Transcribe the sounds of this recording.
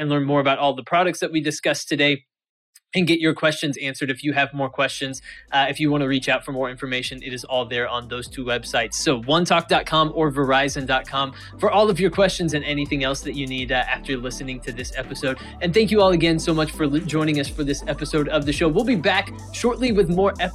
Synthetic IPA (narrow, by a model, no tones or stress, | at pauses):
ɨ̃nlɜ̃˞nmɔɹɨbaʊɾɔlˠðəpʰɹ̥ɑɾɨk̚tsðɨt̚widɨskʌstʰɨdeɪ | ɨ̃nɡɛt͡ʃə˞kʰw̥ɛst͡ʃɨ̃nzæ̃nsə˞ɾɨfjɨːvmɔɹkʰw̥ɛst͡ʃɨ̃nz̥ɨfjɨwɑ̃ɾ̃ɨɹit͡ʃaʊtfə˞mɔɹɪ̃ɱfə˞meɪʃɨ̃nʔɨ̰ɾɨzɔlˠðə˞ə̃nðoʊz̥tʰʉwɛb̥saɪtsoʊwʌ̃ntʰɑk̚d̥ɑt̚kʰɑ̃mə˞və˞aɪzɨ̃ndɑt̚kʰɑ̃m | fə˞ʔɔlˠʌvjə˞kʰw̥ɛst͡ʃɨ̃nzɨ̃nɛniθɪ̃ŋɛlˠsðɨt͡ʃɨniɾæftə˞lɪsɨnɪ̃ŋtʰɨðɪsɛpɨsoʊɾ | ɨ̃nθæ̃ŋk̬jɨɔlˠɨɡɛ̃nsoʊmʌt͡ʃfə˞d͡ʒɔ̃ɪ̃ñɪ̃ŋʌsfə˞ðɪsɛpɨsoʊɾʌvðɨʃoʊwilˠbibæk | ʃɔɹʔˡliwɨðmɔɹɛ